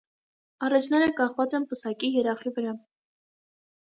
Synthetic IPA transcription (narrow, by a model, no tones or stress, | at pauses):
ɑrɑt͡ʃʰnɛɾəkɑχvɑt͡sɛnpəsɑkijɛɾɑχivəɾɑ